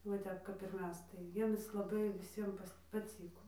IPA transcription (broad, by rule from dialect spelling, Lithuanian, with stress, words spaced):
ʋɐ ˈtʲɛp kɐp ɪr ˈmʲɛs tɐɪ ˈjiɛmʲɪs lˠɐˈbɐɪ ʋʲɪˈsʲiɛm pɐˈt͡sʲiːkoː